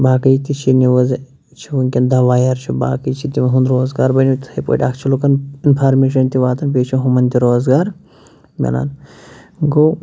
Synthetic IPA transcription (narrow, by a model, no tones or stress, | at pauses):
baːkɐjt̪it͡ʃʰiniʋɐz | t͡ʃʰiʋuŋʲkʲɐnd̪ɐʋaːjɐɾt͡ʃʰiba̰ːkɐjt͡ʃʰit̪imɐɦund̪ɾoːzɡaːɾbɐnʲit̪ɐpo̰ːʈʲakʰt͡ʃʰilukɐninpʰaːɾmeːʃɐnt̪iʋaːt̪ɐnpeːt͡ʃʰiɦumɐnt̪iɾoːzɡaːɾ | mʲɐ̰la̰ːn | ɡoː